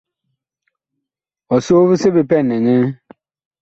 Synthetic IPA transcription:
ɔ˨so˦fɪ˦sɪ˦bɪ˨pɛ˦˨nːɪ̃˨ɲɪ̃˦

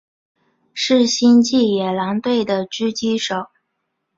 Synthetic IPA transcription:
ʂɻ̩˥˩ɕi˥nt͡ɕi˥˩jɛ˨˩lɑ˧˥ŋt̪we˥˩ɪd̪ə˩t͡ɕy˥t͡ɕi˥ʂo˨˩˦ʊ

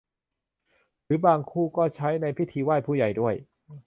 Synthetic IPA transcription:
ɾɯː˩˦baː˧ŋkʰuː˥˩kɔː˥˩t͡ɕʰa˦˥jna˧jpʰi˦˥t̪ʰiː˧waː˥˩pʰuː˥˩ja˨˩jdu˥˩əj

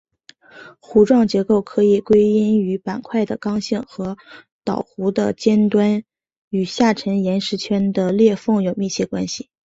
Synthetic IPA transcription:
xu˧˥ʈ͡ʂwɑ˥˩ŋt͡ɕjɛ˧˥ko˥˩ʊkʰɤ˧˥i˨˩kwe˥ɪi˥ny˧˥pa˨˩nkʰwa˥˩ɪd̪ə˩kɑ˥ŋɕi˥˩ŋxɤ˧˥ | t̪ɑ˨˩ʊxu˧˥d̪ə̰˧t͡ɕjɛ˥nt̪wa˥n | y˨˩ɕja˥˩ʈ͡ʂʰə˧˥ŋjɛ˧˥nʂɻ̩˧˥t͡ɕʰɥɛ˥nd̪ə˧ljɛ˥˧fɤ˥˩ŋjo˨˩ʊmi˥˧t͡ɕʰjɛ˥˩kwa˥nɕi˨˩

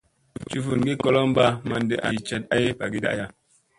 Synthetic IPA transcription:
t͡ʃu˦fu˨nɡi˦kɔ˦lɔ˦m˦ba˦ma˨n˦de˨ʔa˨t͡ʃɛ˦t̚a˦je˦pa˨ɡi˦da̰˨ʔja˦˨

